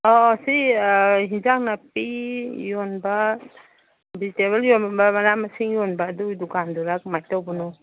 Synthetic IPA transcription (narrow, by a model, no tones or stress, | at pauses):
ɔsiɦinzak̚nap̚ijɔnba | biziteβaljɔnbamaɾamasiŋjɔnbadudukanduɾak̚majtawbɔnɔ